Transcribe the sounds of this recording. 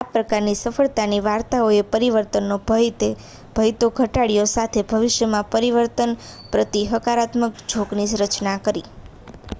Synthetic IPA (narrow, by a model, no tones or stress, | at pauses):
apɾəkaɾnisəfəɭt̪aniʋaɾt̪aoepəɾiʋəɾt̪ənːobt̪e | b̥ʱəjt̪oɡʱəʈaɽijosat̪ʰebʱəʋɪʃjəmãpəɾiʋəɾt̪ənpɾət̪iɦəkaɾat̪məkd͡ʒʱoɡnisɾət͡ʃnakəɾi